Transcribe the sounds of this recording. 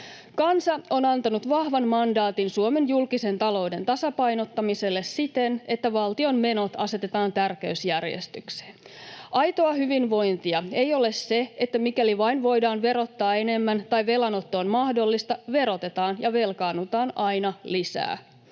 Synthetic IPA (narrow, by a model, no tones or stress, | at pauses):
kɑnsɑo̞nɑnt̪ɑnut̪ʋɑhʋɑnmɑndɑːt̪insuome̞njulkise̞nt̪ɑlo̞ude̞nt̪ɑsɑpɑjno̞t̪ːɑmise̞lːe̞ssit̪ene̞t̪ːæʋɑlt̪io̞nme̞no̞t̪ɑ̰se̞t̪e̞t̪ɑːnt̪ærkeysjærjḛst̪ykse̥ːn | ʔɑjt̪o̞ɑhyʋinʋo̞jnt̪iɑejo̞lesse̞et̪ːæmikæliʋɑinʋo̞jdɑːnʋe̞ɾo̞t̪ːɑːe̞ne̞mːænt̪ɑjʋe̞lɑno̞t̪ːoːnmɑhdo̞lːist̪ɑʋe̞ɾo̞t̪e̞t̪ɑːnjɑʋe̞lkɑːnut̪ɑːnɑjnɑlisæ̰ː